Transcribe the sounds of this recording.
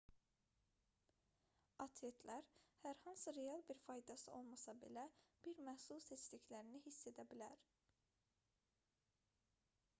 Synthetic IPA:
ɑt̪ʰet̪ʰlæɾhæɾhɑnsɯɾe̞ɑlˠbiɾfɑjd̪ɑsɯo̞̰lˠmɑsɑbe̞̰læb̥iɾmæhsulˠset͡ʃliçlæɾinihisːe̞d̪æbilæɾ

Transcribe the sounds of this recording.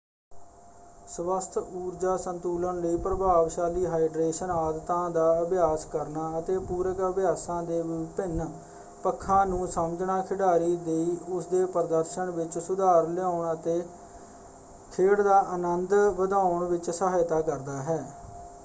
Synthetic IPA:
sʋəst̪ʰuːɾd͡ʒaːsənt̪uːlənləiːpɾəbʱaːʋʃaːliːɦaːɪɖɾeːʃənaːd̪t̪ãːd̪aːəbjaːskəɾnaːət̪eːpuːɾəkəbɪjaːsãːd̪eːʋɪpɪn | pəkʰːãːnũːsəməd͡ʒɳaːkʰɪɽaːɾiːd̪eiːʊsd̪eːpəɾd̪əɾʃəɳʋɪt͡ʃsʊd̪aːɾlɪjaːʊɳət̪eː | kʰeːɽd̪aːʔənənd̪ʋəd̪aːʊɳʋɪt͡ʃsəɦaːjt̪aːkəɾd̪aːɦɛː

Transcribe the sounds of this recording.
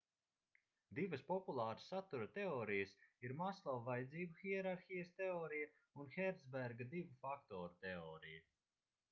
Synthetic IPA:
d̪ivɐspɔpulˠaːɾasat̪uɾɐt̪ɛɔːɾijɐsiɾmaslˠɔvvajd̪ziːbuxiɛɾaɾxijɐst̪ɛɔːɾija | unxɛɾd̪zbæɾɡad̪ivufakt̪ɔːɾut̪ɛɔːɾija

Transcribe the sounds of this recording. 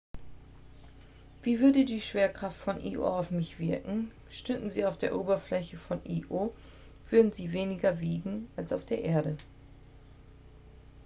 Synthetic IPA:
v̥iːvʏɐdədiːʃv̥eːɐkʁ̥aftfɔnʔḭːʔo̰ːaʊfmɪçv̥ɪɐkŋ̩ | ʃtʏdn̩ziːaʊfd̥eːɐʔoːbɐflɛçəfɔnʔiːʔoː | v̥ʏɐdn̩ziːveːnɪɡɐviːɡŋ̩alsaʊfd̥eːɐʔeːɐɾə

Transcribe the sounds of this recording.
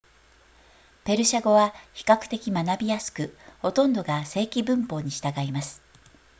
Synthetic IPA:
pe̞ɾɯ̟ɕaɡo̞βaçi̥kakɯ̟̥t̪e̞kʲimanabʲijasɨ̥kɯ̟ho̞t̪õ̞nd̪o̞ɡase̞ːkʲibɯ̟̃mpo̞ːɲ̟iɕi̥t̪aɡaimasɨ̥

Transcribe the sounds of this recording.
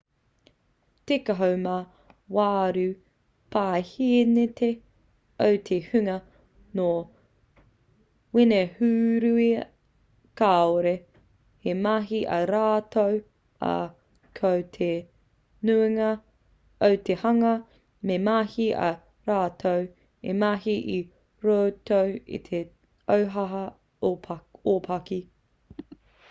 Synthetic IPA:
tekɐɦowma | waːɾʉ | pʰaːhinetʰe | owt̪ʰehʉŋɐ | no | winehʉːɾʉi | kaːoɾe | hemaɦiʔɐɾaːtow | ɐ̰ | kʰowt̪ʰe | nuiŋɐ | ɐwtehɐŋɐ | memahiɐ̰ | ɾaːtʰow | ḛmaɦiʔi | ɾoːtʰowḭt̪ʰe | owɦɐɦɐ | opʰɐki

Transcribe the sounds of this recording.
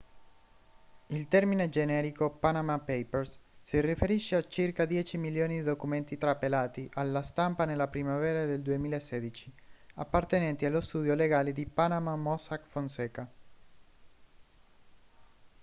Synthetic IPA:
ilt̪ɛrmined͡ʒenɛːɾikopanamapejpersːirifeɾiʃːeat͡ʃirkad̪jɛːt͡ʃimiljoːnid̪id̪okument̪it̪ɾapelaːt̪iʔalːast̪ampanelːapɾimavɛːɾad̪eld̪uemiːlaesːɛːd̪it͡ʃia̰pːart̪enɛnt̪ialːost̪uːd̪joleɡaːled̪ipanamamɔsakfonsɛːka

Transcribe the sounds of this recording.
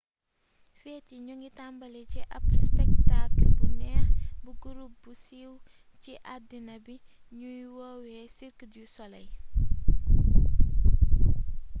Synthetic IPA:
fɛːtiɲuŋɡitambɐlɛcɛʔɐpspɛktaklbunɛːxbuɡuɾup̚busiw | ciʔadinɐbi | ɲujwɔwɛsiɾkədjusɔlɐj

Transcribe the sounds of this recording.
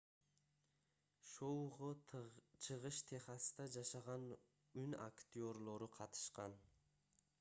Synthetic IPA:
ʃowʁot͡ʃʰɯʁɯʃt̪ʰeχɑst̪ɑd͡ʒɑʃɑʁɑn | ʉna̰kt̪ʲio̞rlˠo̞ɾuqʰɑt̪ɯ̥ʃqɑn

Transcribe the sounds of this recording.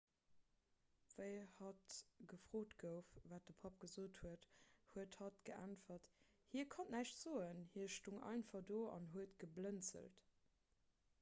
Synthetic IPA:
vəɪhɑtɡ̥əfʁ̥oːtɡəʊfvaːt̚dəpʰɑp̚ɡ̥əzoːthuəthuəthɑtɡ̥əʔæ̰nfɐt | hiːɐkʰɑnnæʃtz̥oːənhiɐʃtuŋɑ̰ɪnfɑdoːɑ̰nɦuətɡəblənt͡sə̰lt

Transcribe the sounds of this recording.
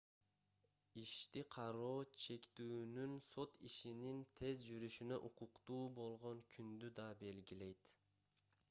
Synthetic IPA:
iʃt̪iqʰɑɾoːt͡ʃʰe̞kʲt̪uːnynso̞t̪iʃinint̪ʰe̞zd͡ʒyɾyʃynæʔuqʰʊqt̪uːbolˠʁoŋkʲʰynd̪yd̪ɑbe̞lɡʲilejt̪

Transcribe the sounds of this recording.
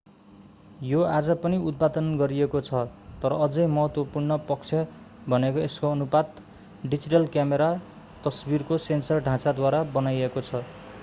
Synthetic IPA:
joad͡zʌpʌniud̪̚pad̪ʌnɡʌɾiekot͡sʰʌt̪ʌɾʌːd͡zʌjmʌɦʌt̪wʌpurnʌpʌk̚t͡sʰjʌ | bʱʌnekoeskoʌnubad̪ | ɖid͡ziʈʌlkjameɾa | t̪ʌsbirkosensʌrɖʱãt͡sad̪waɾabʌnajekot͡sʰʌ

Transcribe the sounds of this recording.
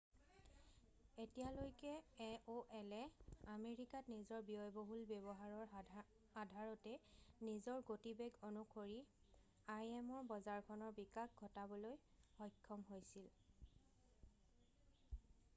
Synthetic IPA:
etijalojkɛoʔɛlɛameɹikatnizɔɹbiɔjboɦulbebɔɦaɹɔɹ | adʱaɹɔtɛnizɔɹɡotibeɡonukʰoɹi | ajɛmɔɹbɔzaɹkʰɔnɔɹbikak̚ɡʱɔtabɔloj | hɔjkʰːɔmɦojsil

